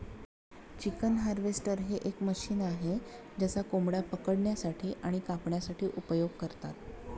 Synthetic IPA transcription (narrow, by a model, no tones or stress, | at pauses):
t͡ɕikənɦaɾʋesʈəɾɦeʔekməɕiːnaɦe | d͡ʑasakomɽapəkəɽɳjasaʈʰiːʔaɽ̃ikapɳjasaʈʰiːʔupəjoɡ̚kəɾt̪at̪̚